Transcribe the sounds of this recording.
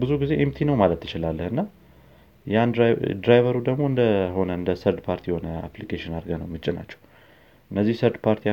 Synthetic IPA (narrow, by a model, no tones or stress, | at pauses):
bɨzuɡize̞ʔemt̪ʰinəwmalət̪ːɨt͡ʃɪlalːəhɨnːa | jand̪d̪ɾajvəɾud̪əɡmo̞ɨnd̪əho̞nəɨnd̪əsəɾd̪pʰaɾt̪ʰijɛho̞nəa̰plikʰeʃɪnaɾɡənəwmɨt͡ʃʼːɪna̰t͡ʃːɛ̥w | ʔɨnːəzːihsəɾd̪pʰaɾt̪ʰi